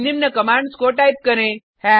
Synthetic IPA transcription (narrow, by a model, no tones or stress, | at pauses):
nimnɐkɐmaːɳɖskoʈaːjp̚kɐɾẽ | hɛ̃